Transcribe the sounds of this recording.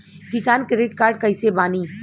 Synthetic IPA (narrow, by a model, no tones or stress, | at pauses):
kɪsaːnkɾeɖɪʈkaːɾɖ̚kɐɪsebaːniː